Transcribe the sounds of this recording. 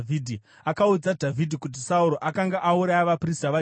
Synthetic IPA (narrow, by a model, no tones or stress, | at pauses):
vʱidʱi | akaud͡zadʱavʱidʱikut̬isauɾoʔakaŋɡaʔauɾajaʋapristaʋa